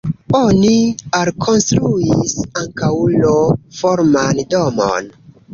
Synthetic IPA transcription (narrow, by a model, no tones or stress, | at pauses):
onialkʰo̞nstɾuisaŋkawlofoɾmandomo̰n